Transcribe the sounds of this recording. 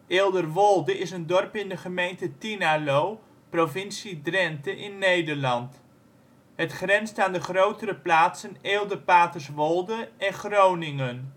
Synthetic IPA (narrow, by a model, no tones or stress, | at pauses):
eːlˠdərʋɔlˠdəɪsəndɔrpɪndəχəmejntətinalow | profɪnsidrɛntəʔɪnːejdərlɑnt | ɦətχrɛnstəaːndəχrowtəɾəplaːtsəneːlˠdərpaːtərsʋɔlˠdəɛnχrownɪŋən